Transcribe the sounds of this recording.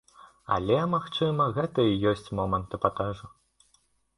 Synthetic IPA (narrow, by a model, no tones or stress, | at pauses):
ɐ̰lʲɛmaxt͡ʂɨmɐɣɛt̪ɐijɔsʲt͡sʲmɔmɐnt̪ɨpɐt̪ɛʐu